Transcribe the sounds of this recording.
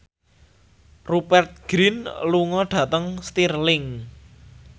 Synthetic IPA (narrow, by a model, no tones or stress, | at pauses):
rupɛrt̪̚ɡ̥ɾinluŋɔɖ̥ä̤t̪əŋst̪irlɪŋ